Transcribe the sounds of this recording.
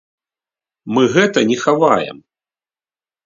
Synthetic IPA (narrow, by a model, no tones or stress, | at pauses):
mɨɣɛt̪ɐnʲɛxavajɛ̰m